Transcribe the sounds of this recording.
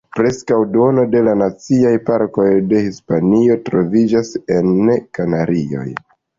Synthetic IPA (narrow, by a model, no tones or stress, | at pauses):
pɾe̞skawdo̞no̞de̞lanat͡siajpaɾko̞jde̞hispanio̞tɾo̞vid͡ʒase̞nːekanaɾio̞̰j